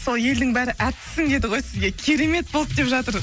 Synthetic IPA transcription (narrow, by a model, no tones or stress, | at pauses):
so̞lˠje̞ld̪ɪŋbæɾɪʔæt̪ɪ̥sːɪŋd̪e̞d̪ɪʁo̞jsɪzɡʲe̞kʲʰe̞ɾe̞me̞t̪̚bo̞lˠəp̚d̪e̞pʒɑt̪əɾ